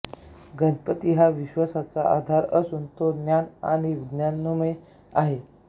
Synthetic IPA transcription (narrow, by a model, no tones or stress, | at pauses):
ɡʱənpət̪iɦaʋiɕʋasat͡saʔad̪ʱaɾəsunt̪od̪njana̰ɽ̃iʋid̪njanːume | aɦe